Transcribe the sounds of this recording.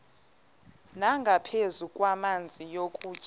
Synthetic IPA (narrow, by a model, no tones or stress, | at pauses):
naŋɡʱapʰezukʼwamand͡zʱijokʼu̥ːt͡ʃʼ